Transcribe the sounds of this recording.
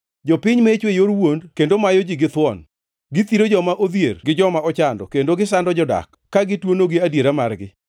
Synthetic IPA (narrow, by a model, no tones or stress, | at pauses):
d͡ʒɔpɪɲmet͡ʃwejoɾwondkendomajɔd͡ʒiɡɪt̪wɔn | ɡɪt̪iɾod͡ʒɔmaʔod̪jerɡɪd͡ʒɔmaɔt͡ʃandɔkendoɡɪsandɔd͡ʒɔda̰kːaɡɪtwonoɡɪadjeɾamarɡɪ̰